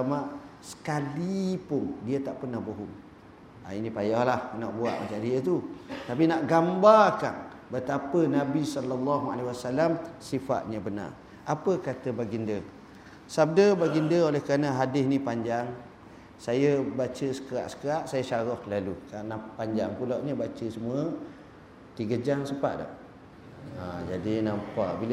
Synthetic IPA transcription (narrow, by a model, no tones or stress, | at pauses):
amaʔsə̥kalipʊndiət̪aʔpərnahboɦʊm | a̰inĩpajahlahənaʔbua̰ʔmat͡ʃandiət̪ut̪ap̬inaʔɡambarka̰n | bət̪apənabisɔlːalˤːaɦua̰lawasalamsifa̰ʔ̪̚ɲabəna̰r | ʔapəkat̪əbaɡində | sab̚dəbaɡindəolɛhkəɾanəɦadɪsnĩpaɲd͡ʒaŋ | sajəbat͡ʃəsə̥kəɾa̰ʔsə̥kəɾaʔsajəsaɾɔhlalukanapaɲd͡ʒaŋpulaʔɲəbat͡ʃəsəmuə | t̪iɡəd͡ʒaŋsəpa̰ʔdɔ̰ʔ | ad͡ʒadinampaʔbilə